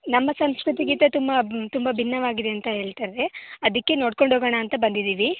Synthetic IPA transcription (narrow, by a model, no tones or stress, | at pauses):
nɐmːɐsɐmskɾut̪iɡit̪ɐt̪umbɐt̪umbɐbʱinːɐʋaːɡid̪e̞ɐnt̪ɐɦe̞ːɭt̪aɾeɐd̪ɐkːe̞noːɽko̞ɳɖʱoːɡɐɳɐːnt̪ɐbɐnd̪id̪iːʋi